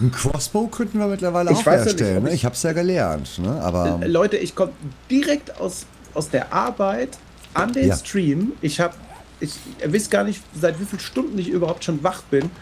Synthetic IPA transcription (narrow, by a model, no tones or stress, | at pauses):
n̩kʰv̥ɔ̰sb̥oːkʰœntn̩viːɐmɪtlɐvaɪləɪçaʊv̥ahɛːsɐtɛlənːəɪçhaːbəsjaːɡəlɛɐntnəʔa̰ːbɐ̰lɔʏtəʔɪçkʰɔməd̥iʁɛkta̰ʊs | ʔaʊsd̥eːɐʔa̰ɐbaɪt | ʔandeːskʁ̥iːmʔɪçhaːbə | ɪçvɪsɡ̥aːɐnɪçtzaɪtv̥iːfiːlʃtʊndn̩ɪçʔyːbɐhaʊp̚tʃoːnvaχb̥ɪn